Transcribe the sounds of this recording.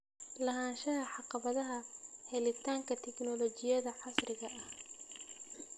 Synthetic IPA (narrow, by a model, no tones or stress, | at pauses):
lɐɦaːnʃɐɦɐħɑqɑβɐðɐɦɐhɛlɪt̪ʰaːŋkʰɐt̪ʰɛknɔlɔt͡ʃɪjɐðɐħɑsrɪɣɐʔɐh